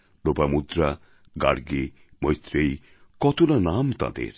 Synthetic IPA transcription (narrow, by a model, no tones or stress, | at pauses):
lopamud̪ɾa | ɡa̰ɽɡi | mʌjt̪ɾej | kɔt̪ʰulanamt̪a̰d̪ḛɾ